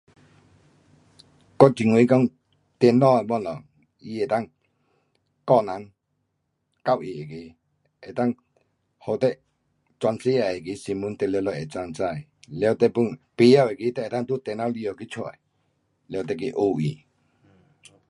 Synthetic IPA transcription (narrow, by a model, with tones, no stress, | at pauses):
kɔ˥˦˨t͡ɕi˧˨ŋwi˨˧˦kɔ˦ŋ | t̪ɛ˧˨nɔ˧˨e˨bwɔ˧˨nlɔ˨ŋ | i˧˨e˨t̪a˥˨ŋ | kɔ˥˧˨na˨˦ŋ | ka˥˧˨wʔi˨e˨ke˨˦ | e˨t̪a˥˨ŋ | ho˨t̪ɛ˧˦ʔ | t͡swa˧nse˦a˨˩˨e˨ke˨˦si˧˨mu˧˦nt̪ɛ˧˨lɛ˧lɔ˧˨jɛ˨t͡sa˧˨ŋt͡sa˥˧˨j | lɛ˧˦wt̪ɛ˧˨pu˧˨ŋpe˨˧˨ja˧˨we˨ki˧˦t̪ɛ˦ʔt̪a˥˨t̪u˥˦˨t̪ɛ˧˨nã˧˦li˧˨ɔ˨ki˦t͡ɕʰu˧˨a˨ | lɛ˧wt̪̬ɛ˧˨ki˧˦ʔo˧˨ḭ˨